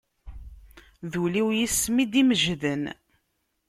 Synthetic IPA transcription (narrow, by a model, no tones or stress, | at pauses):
ðuliwjismid̪iməʒðən